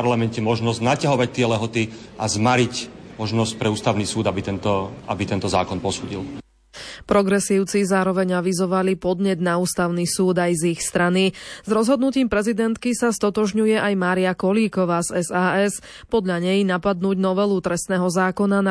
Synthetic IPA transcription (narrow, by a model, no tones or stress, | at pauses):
ɾlamɛncɛmɔʒnɔzɟnacaɦɔʋac̚t̪ɪɛlɛɦɔt̪i | ʔazmaɾic | mɔʒnɔsc̚pɾɛuːst̪aʊniːsuːd̪abit̪ɛnt̪ɔabit̪ɛnt̪ɔzaːkɔnpɔsuːɟḭl | pɾɔɡɾɛsiːʊt͡sizaːɾɔʋɛɲaʋizɔʋalipɔd̪ɲɛd̪nauːst̪aʊnisuːd̪ajzixst̪ɾanizɾɔzɦɔd̪nuciːmpɾɛzid̪ɛnt̪kisast̪ɔt̪ɔʒɲujɛʔajmaːɾiakɔliːkɔʋaːzɛzaːɛs | pɔd̪ʎaɲɛjnapad̪nuːɟnɔʋɛlut̪ɾɛst̪nɛːɦɔzaːkɔnan